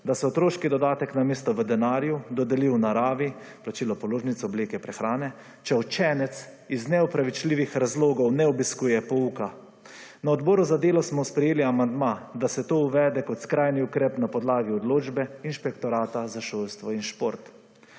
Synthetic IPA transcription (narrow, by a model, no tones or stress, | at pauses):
d̪asɛɔt̪ɾoːʃkid̪ɔd̪aːt̪ɛknameːst̪ɔʋəd̪ɛnaːɾjud̪ɔd̪ɛliwnaɾaːʋi | plat͡ʃiːlɔpɔloːʒnit̪sɔbleːkɛpɾɛxɾaːnɛ | t͡ʃɛɔt͡ʃɛnɛt̪s | iznɛɔpɾaʋit͡ʃliːʋixɾazloːɡɔwnɛɔbiskuːjɛpɔuːka | naɔd̪bɔːɾuzad̪eːlɔsmɔspɾɛjeːliamand̪mad̪asɛt̪oːuʋɛːd̪ɛkɔt̪skɾajniukɾɛːpnapɔd̪laːɡiɔd̪loːd͡ʒbɛinʃpɛkt̪ɔɾaːt̪azaʃoːlst̪ʋɔinʃpoːɾt̪